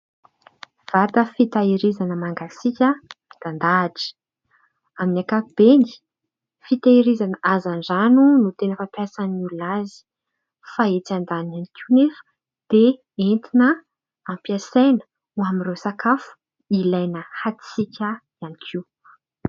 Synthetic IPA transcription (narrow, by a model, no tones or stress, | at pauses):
v̥at̪əfit̪aiɾizanəmaŋɡasikʲəd̪̥and̪aːʈ͡ʂi̥ə̥ | aminakaib̥eni̥ | fit̪aiɾizanəʔazanzanunut̪enəfapjasanululazi̥ | faet͡sand̪ananikʲʰinefə̥ | d̪̥e | ent̪inə | ampiasajnə̥ | uamiresakafu̥ | ilajnəhat̪i̥sikʲəjanikʰiw